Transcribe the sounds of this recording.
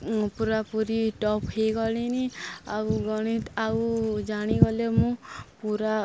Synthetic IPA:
puɾapuɾiʈɔphejɡɔliniauɡɔɽ̃it̪aud͡ʒaɽ̃iɡɔlemũpuɾa

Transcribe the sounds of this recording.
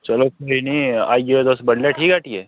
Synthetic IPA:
t͡ʃɐlokoɦinia̰ːiɡed̪oːsbəɽljaʈʰiːkaːʈie

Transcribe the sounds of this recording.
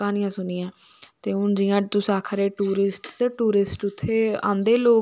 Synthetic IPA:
aːnɪjãːsʊnɪjãː | t̪eːʊnd͡ʒɪjãːt̪ʊsaːkʰəɾeːʈuːɾɪsʈt̪eʈuːɾɪsʈʊt̪ʰːeːã̰ːnd̪eːloː

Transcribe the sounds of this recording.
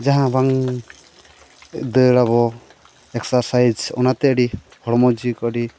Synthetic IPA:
d͡ʒaɦãbaŋ | d̪əɾaβɔ | ɛksaɾsajd͡ʒɔ̰nat̪ɛəɖi | hɔɽɔmɔd͡ʒikɔɽi

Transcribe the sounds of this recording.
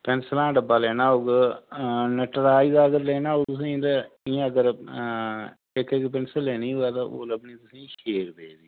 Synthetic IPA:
pɛnslãːɖəbaːlɛːnaːoːɡ | nəʈəɾaːiːd̪aːəɡəɾlɛːnaːoːt̪ʊs̬ĩd̪aĩəɡəɾ | ɪkekp̬ɪnsəleːniːɦʊɛːt̪ao̰ːləbniːt̪ʊsĩːʃeːɾpeːd̪iː

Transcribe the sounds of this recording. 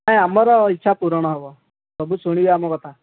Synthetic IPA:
naɦĩamɔɾɔitːʃʰapuɾɽ̃ɔɦɔʋɔ | ɔbʱusuɽ̃iʋeamɔkɔt̪ʰa

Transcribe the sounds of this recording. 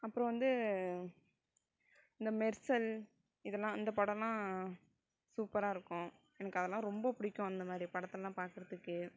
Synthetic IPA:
ɐpːɯɾɔ̃ʋɐnd̪ɯ | ɪnd̪ɐmɛɾsɐl | ɪðɛlːãːɪnd̪ɐpɐɽɐ̃lãː | suːpɐɾaːɪɾɯkːʊ̃ | ɛnɐkːɯɐðɛlːãːɾɔmbɐpʊɽɪkːʊ̃ɐnd̪ɐmaːd̪ɾipɐɽɐt̪ːɛlãːpaːɾkɯɾɐðɯkːɯ

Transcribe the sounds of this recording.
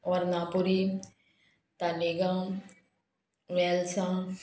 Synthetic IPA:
oɾnãpuɾi | t̪aliɡã | ʋɛːlsã

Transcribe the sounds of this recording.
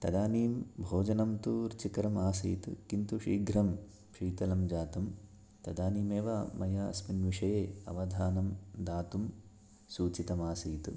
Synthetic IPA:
t̪ɐd̪aːniːmbʱoːd͡ʒɐnɐmt̪uɾit͡ʃikɐɾɐmaːsḭjt̪ɨ̰kint̪uʂiːɡɾɐm | pʂiːt̪ɐlɐmd͡ʒaːt̪ɐm | t̪ɐd̪aːniːmeːʋɐmɐjɐɐ̰sminʋiʂɐjeːɐ̰ʋɐd̪ʱaːnɐmd̪aːt̪um | suːt͡ʃit̪ɐmaːsijt̪ṵ

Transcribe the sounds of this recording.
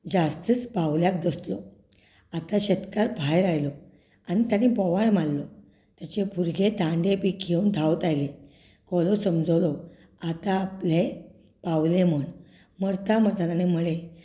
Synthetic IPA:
d͡ʑast̪ət͡spawljak̚d̪əslɔ | at̪aɕet̪kaɾpʰajɾajlɔ | añit̪janepɔʋaɭmalːɔ | t̪jat͡ɕepuɾɡet̪ãɳɖepikʰːeund̪ʱawt̪ajle | kɔlɔsəmd͡zlɔ | at̪aːple | pawleməɳ | məɾt̪aməɾt̪at̪anemuɭe

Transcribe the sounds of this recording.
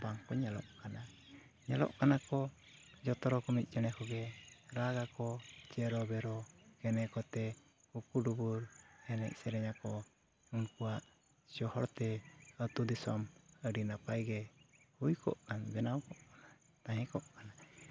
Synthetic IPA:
baŋkɔɲalɔ̰ʔkana | ɲalɔ̰ʔkanakɔ | d͡ʒɔt̪ɔɾɔkɔmit̪̚ˀd͡ʒɔnɛkɔɡɛɾaɡakɔt͡ʃɛɾɔbɛɾɔkɛnɛkɔt̪ɛ | hukuɖubuɾɛnɛ̰ʔ̚sɛɾɛɲakɔ | unkuwaʔ | d͡ʒɔhɔɾt̪ɛət̪ud̪isɔməɖinapajɡɛhujkʰɔ̰ʔkanbɛnawkɔʔkana | t̪aɦɛ̃kɔʔkana

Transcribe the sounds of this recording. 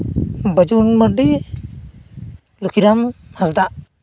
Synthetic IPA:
bəd͡ʒunməɖi | lukʰiɾamhasd̪aʔ

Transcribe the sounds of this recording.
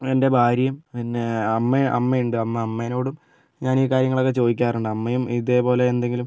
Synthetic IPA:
e̞nde̞bʱaːɾjɐmpinːeɐmːeʔɐ̰mːɐjuɳɖɨɐmːɐɐmːeno̞ːɽum | ɲaːniːkaːɾjɐŋːɐɭo̞kːet͡ɕo̞ːd̪ikʲːaːruɳɖɨɐmːɐjumiðe̞ːpo̞ːle̞ːnd̪e̞ŋɡilum

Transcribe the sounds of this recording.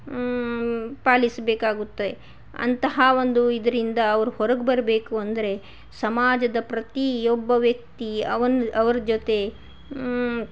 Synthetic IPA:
paːlisbeːkaːɡut̪ːɐd̪e | ɐ̰nt̪ɐɦɐʋond̪uid̪ɐɾind̪ɐːʋɐɾuhɔɾɐɡbɐɾɐbe̞ːkuɐnd̪ɐɾe̞ | sɐmaːd͡ʒɐd̪ɐpɾɐt̪iɔbːɐʋjɐk̚t̪iɐʋɐnɐʋɐɾd͡ʒot̪e̞

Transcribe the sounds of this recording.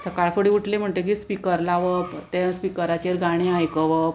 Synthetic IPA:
səkaɭfəɽiuʈʰlem̤əɳʈ̪ek̬ispikəɾlaʋət̪ẽspikəɾat͡ɕeɾɡaɽ̃ẽajkəʋəp̚

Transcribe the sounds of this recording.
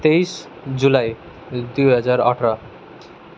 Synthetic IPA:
t̪ejs | d͡ʑulaj | d̪ujɦʌd͡zaɾʌ̰ʈʰɾʌ

